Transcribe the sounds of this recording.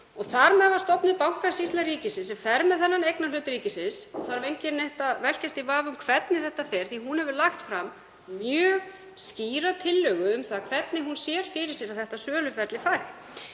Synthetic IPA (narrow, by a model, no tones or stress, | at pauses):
ɔɣθaɾmɛðvaɾ̥st̪ɔpnɪpawhkasist̪aɾiːcɪsɪsɛmfɛɾmɛðθɛnːanejknḁlʏːt̪ɪɾiːcɪsɪnsɔθaɾvejɲcɪnnɛht̪avɛl̥cast̪ivaːvʏmkʰvɛt̪nɪθɛht̪afɛɾ̥θiɦunhɛvʏɾlaxt̪fɾam | mjœːɣ | sciːɾat̪ʰɪlːœːɣʏʏmθaðkʰv̥ɛt̪nɪɦunsjɛːɾ̥fɪɾɪɾ̥sjɛɾaðθɛht̪asœːlʏfɛɾt̪lɪfajɾ